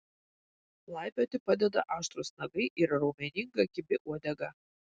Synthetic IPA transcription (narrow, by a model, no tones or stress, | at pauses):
lˠɑˑɪpʲoːt̪ʲɪpɐd̪ʲɛd̪ɐ̰ʔɑːʃt̪ɾusnɐɡɐɪʔɪɾɾɐʊmʲɛnʲɪŋɡɐkʲɪbʲɪʔuɔd̪ʲɛɡɐ